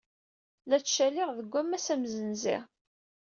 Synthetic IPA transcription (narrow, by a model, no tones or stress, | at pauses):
læt͡sʃælɪʁðəɡʷːæmːæsæmzənzɪ̰ʁ